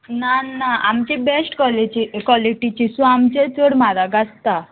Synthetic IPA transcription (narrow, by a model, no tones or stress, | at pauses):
nanaamt͡ɕibesʈkɔlit͡ɕikwɔliʈit͡ɕisũamt͡ɕet͡səɽmaɾaɡast̪a